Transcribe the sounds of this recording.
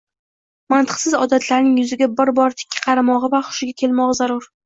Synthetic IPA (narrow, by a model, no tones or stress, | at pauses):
mant̪ʰɨ̥qsɪzɒ̰d̪at̪ʰlaɾnɪŋjʊzɪɡʲabɪɾbɒɾt̪ʰɪ̥kʲʰːɪ̥qʰɑɾamɒʁɨvaχʊ̥ʃɪɡʲakʲʰe̞lˠmɒʁɑzaɾʊɾ